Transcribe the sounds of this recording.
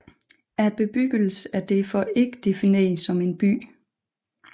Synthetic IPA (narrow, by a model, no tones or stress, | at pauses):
æɐb̥e̝b̥yɡ̥əl̩sæɐd̥e̝fɒʔe̝ɡ̥əd̥e̝fine̝̰ːsɒ̽me̝nb̥y̰ː